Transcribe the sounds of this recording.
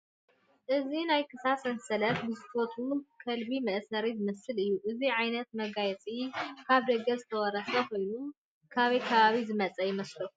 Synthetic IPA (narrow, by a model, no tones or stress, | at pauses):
ʔɨzinajkʰɨsasɐnsɐlɐt̪bɨzɨt̪ʰot̪ʰukʰɐlbimɐʔsɐɾizɨmɐsːɨlɨjːuʔɨziʕajnɐt̪̚mɐɡajɛt͡sʼikʰaβd̪ɐɡɐzɨt̪ʰɐwɔɾɐsɐkʰo̞jnum | kʰaβɐjkʰɐβaβizɨmɐt͡sʼɐjɪmɐslu